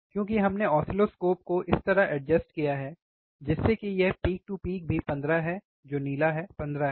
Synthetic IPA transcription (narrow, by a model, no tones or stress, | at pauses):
kjõːkiɦɐmneɔːsɪloskoːp̚koʔɪst̪ɐɾaɦʔɛɖd͡ʒɐsʈkijaɦɛː | d͡ʒɪsːekijɛɦpiːk̚ʈupiːk̚bʱipɐ̃nd̪ɾaɦɛ | d͡ʒoːniːlaɦɛːpɐ̃nd̪ɾaɦɛ